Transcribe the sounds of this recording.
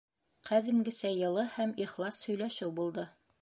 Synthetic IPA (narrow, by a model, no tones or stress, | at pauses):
qæðɘ̆ŋɡɘ̆sæjɤ̆lˠɤhæmiχlˠɑshɵ̆jlæʃɘwbulˠd̪ɤ